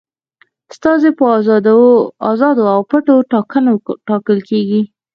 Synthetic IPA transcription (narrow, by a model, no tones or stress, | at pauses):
st̪ɑzepə | ɑzɑd̪oawpəʈoʈɑkənoʈɑkəlkeɡi